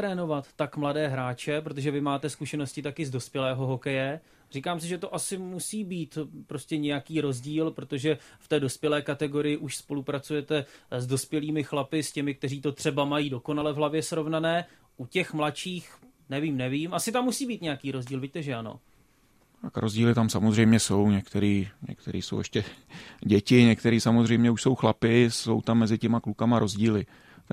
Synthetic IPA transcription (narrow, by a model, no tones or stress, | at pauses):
ɾɛːno̞vat̪ːakmladɛːɦɾaːt͡ʃɛpɾo̞t̪̬oʒɛvɪmaːt̪ɛskuʃɛno̞scɪt̪akɪzdo̞spjɛlɛːɦo̞ɦo̞kɛjɛ | r̝iːkaːms̬ɪʒɛt̪oʔasɪmusiːbiːt̪pɾo̞scɛɲɛjakiːɾo̞zɟiːlpɾot̪o̞ʒɛft̪ɛːdo̞spjɛlɛːkat̪ɛɡo̞ɾɪjɪʔuʃspo̞lupɾat͡sujɛt̪ɛzdo̞spjɛliːmɪxlapɪscɛmɪk̚t̪ɛriːt̪o̞t̪r̝̥ɛbamajiːdo̞ko̞nalɛvɦlavjɛsɾo̞vnanɛː | ʔucɛxmlat͡ʃiːx | nɛviːmnɛviːmʔasɪt̪amːusiːbiːt̪ɲɛjakiːɾo̞zɟiːlvɪc̚t̪ɛʒɛano̰ | t̪akɾʔozɟiːlɪt̪amsamozrɛjmɲɛso̞wɲɛkt̪ɛɾiːɲɛ̰kt̪ɛɾiːso̰wʔɛʃcɛɟɛcɪɲɛkt̪ɛɾiːsamozrɛjmɲɛuʃso̞wxlapɪso̞̰wt̪amːɛzɪcɛmaklukamaɾo̞zɟiːlɪ